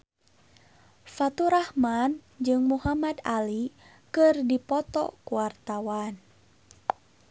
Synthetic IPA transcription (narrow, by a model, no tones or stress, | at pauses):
fat̪uɾahmand͡ʒɨŋmuɦamad̪ali | kɨrdipɔt̪ɔ̰kuwart̪awan